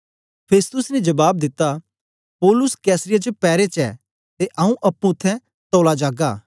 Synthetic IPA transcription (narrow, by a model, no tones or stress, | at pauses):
pʰeːst̪ʊsned͡ʒɐbaːb̚d̪ɪt̪ːa | pɔːlʊskɛːsɾɪjat͡ʃəpɛːɾet͡ʃɛ̰ː | t̪eʔɐũʔɐpːũʊt̪ʰːɛ̃ | t̪oːlad͡ʒaːɡaː